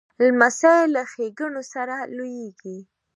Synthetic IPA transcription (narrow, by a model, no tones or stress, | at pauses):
lmasajlaxeɡəɳosaɾalojeɡi